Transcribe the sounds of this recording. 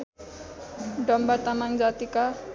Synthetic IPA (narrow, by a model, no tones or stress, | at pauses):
ɖʌmbat̪anaŋd͡zat̪ika